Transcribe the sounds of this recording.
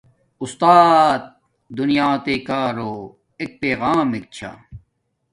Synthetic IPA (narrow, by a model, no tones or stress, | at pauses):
ust̪aːt̪̚ | d̪unijaːt̪ekaːɾoː | ek̚peːɣaːmek̚t͡ɕʰa̰